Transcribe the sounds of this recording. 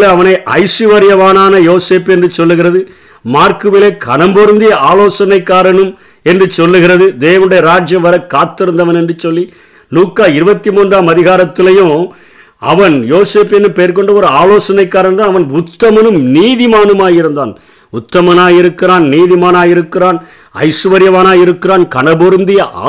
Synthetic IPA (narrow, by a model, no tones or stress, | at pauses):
leɐʋɐnɐɪʔɐ̰ɪsɯʋɐɾɪjɐʋaːnaːnɐjoːseːpɛndrɯt͡ʃɔlːɯɣɪrɐðɯ | maːɾkɯʋɪleːkʰɐɳɐmbɔɾɯnd̪ɪjɐaːloːsɐnɐɪkːaːɾɐnɯm | ɛndrɯt͡ʃɔlːɯɣɪrɐðɯd̪eːʋɐnɯɽɐjɐɾaːd͡ʒjɐmʋɐɾɐkːaːt̪ːɪɾɯnd̪ɐʋɐnɛndrɯt͡ʃɔlːi | luːkːaːɪɾɯbɐt̪ːimoːndraːmɐðɪɣaːɾɐt̪ːɪlɐjõː | ɐ̰ʋɐnjoːseːpɛnːɯpeːɾkɔɳɖɐɔɾɯaːloːsɐnɐɪkːaːɾɐnd̪aːnɐʋɐnʊt̪ːɐmɐnɯmniːðɪmaːnɯmaːjɪɾɯnd̪aːn | ʊt̪ːɐmɐnaːjɪɾɯkːɪraːnniːðɪmaːnaːjɪɾɯkːɪraːn | ɐ̰ɪʂɯʋɐɾɪjɐʋaːnaːjɪɾɯkːɪraːnkɐɳɐbɔɾnd̪ɪjɐʔː